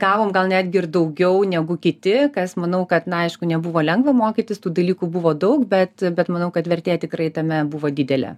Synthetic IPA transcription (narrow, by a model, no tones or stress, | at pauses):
ɡ̥ɑːʋoːmɡɐlˠnʲæd̪ʲɡʲɪɪrd̪ɐʊɡʲɛʊnʲɛɡʊkʲɪt̪ʲɪkɐsmɐnɐʊkɐt̪nɐɐɪʃkʊnʲɛbʊʋoːlʲɛŋɡʋɐmoːkʲiːt̪ʲɪst̪uːd̪ɐlʲiːkuːbʊʋoːd̪ɐʊkbʲɛt̪bʲɛt̪mɐnɐʊkɐt̪ʋʲɛrʲt̪ʲeːt̪ʲɪkɾɐɪt̪ɐmʲɛbʊʋoːd̪ʲiːdʲɛlʲɛ̰